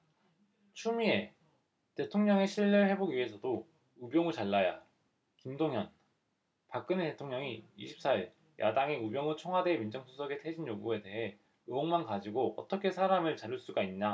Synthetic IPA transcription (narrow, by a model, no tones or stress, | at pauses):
t͡ɕʰumie̞ | te̞tʰoŋɲʌŋe̞ɕʰiʎːɯɭhe̞boɡie̞sʰʌdo | ubjʌŋɯɭt͡ɕaɭːaja̰ | kimdoŋjʌn | pak͈ɯnete̞tʰoŋɲʌŋiḭɕʰi̥p̚s͈aiɭ | jʔa̰daŋe̞ubjʌŋɯɭt͡ɕʰoŋɦwademind͡ʑʌŋsʰusʰʌɡe̞tʰe̞d͡ʑinjoɡue̞te̞ɦe̞ | ɯoŋmankad͡ʑiɡoʌ̰t͈ʌkʰe̞sʰaɾamɯɭt͡ɕaɾjuɭs͈uɡaiɲɲa